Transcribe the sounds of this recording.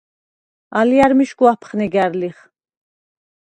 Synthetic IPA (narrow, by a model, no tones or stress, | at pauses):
aliaɾmiʃɡuapʰχnɛɡæɾliχ